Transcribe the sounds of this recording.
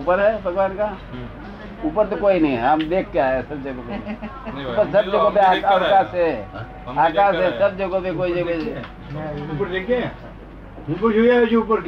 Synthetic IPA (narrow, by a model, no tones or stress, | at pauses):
upəɾɦɛbʱɐɡʋaːnka | upəɾt̪okoːinɐĩamd̪eːkʰkeaːɦesɐb̚d͡ʒɐɡope | pəɾsɐbd͡ʒɐɡopeakakaːsɛ | aːkaːsɦɛsɐbd͡ʒɐɡopekoːid͡ʒɐɡoe | upəɾd̪eke | upəɾt͡ʃuiajot͡ʃiupəɾ